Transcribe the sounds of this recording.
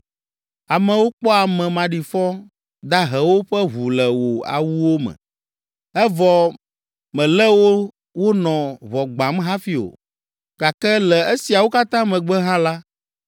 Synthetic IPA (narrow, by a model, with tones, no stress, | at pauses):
a˨mɛ̃˨wo˦k͡pɔ˦a˨mɛ̃˨mã˨ɖi˨fɔ˦ | d̪a˦ɦɛ˨wo˦ɸɛ˦ɦu˨lɛ˨wo˨a̰˨wu˦wo˦mɛ̰̃˨ | ɛ˦vɔ˨ | mɛ̃˨lɛ˦wo˦ | wo˦nɔ̃˨vɔ˨ɡ͡bã˨mɦã˦fi˦o̰˨ | ɡa˨kɛ˦lɛ˨e˦si˨a˨wo˦ka˦t̪ã˦mɛ̃˨ɡ͡bɛ˦ɦã˦la˦